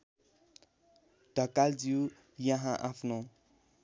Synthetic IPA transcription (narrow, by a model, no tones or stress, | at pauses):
ɖ̥ʱʌkald͡ziu | jʌɦãʔapʰno